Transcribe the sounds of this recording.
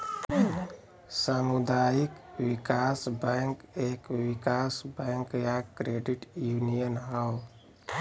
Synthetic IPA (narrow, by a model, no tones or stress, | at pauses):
samud̪ajikwikasbɛŋkekwikasbɛ̃ŋkjakːɾeɖiʈjunijənɦəw